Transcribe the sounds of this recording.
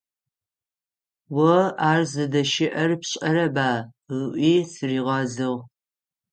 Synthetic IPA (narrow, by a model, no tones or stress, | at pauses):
wɐaːrzɨdɐʃɪʔɐrpɕʼɐɾɐbaː | ʁəʔʷiːsɨriːʁɐzɨʁ